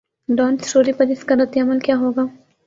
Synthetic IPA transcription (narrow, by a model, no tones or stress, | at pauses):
ɖaːnsʃoːɾipɐɾɪskaɾɐt̪jaməlkjaːɦoːɡaː